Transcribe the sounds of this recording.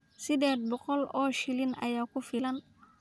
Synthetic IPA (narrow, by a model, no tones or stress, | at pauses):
sɪðɛːd̪̚bɔqɔlɔːʃɪlɪnɐ̰jaːkʰʊfɪlɐn